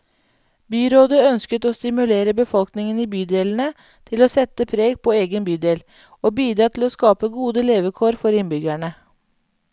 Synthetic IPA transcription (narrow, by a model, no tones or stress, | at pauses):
byːɾoːd̪əœnskət̪oːst̪ɪmʉleːɾəbəfɔlknɪŋəniːbyːd̪eːln̩ə | t̪ʰɪloːsɛt̪əpʰɾeːɡpʰoːeːɡənbyːd̪eːl | oːbyːd̪ɾɑːt̪ʰloːskɑːpəɡuːd̪əleːʋəkʰoːɾfɔɾɪnbʏɡæɳə